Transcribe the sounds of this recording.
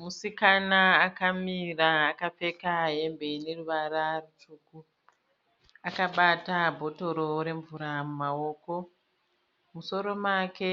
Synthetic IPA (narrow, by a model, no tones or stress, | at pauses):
musikanaːkamiraːkap͡fe̞kaɦe̞mbe̞ne̞ruʋararut͡ʃuːku | akaɓatabʱo̞to̞ɾo̞ɾe̞ɱvuɾamumao̞ːko̞ | muso̞ɾo̞make̞